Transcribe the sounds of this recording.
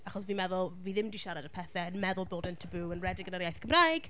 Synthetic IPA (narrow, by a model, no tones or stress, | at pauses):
aχɔsviːnmɛðʊlˠviːðɪmdiʃaɾadəpʰɛθɛənmɛðʊlˠboːdəntʰəbuːənrɛdɪɡənəɾjajθkʰəmrajɡ̥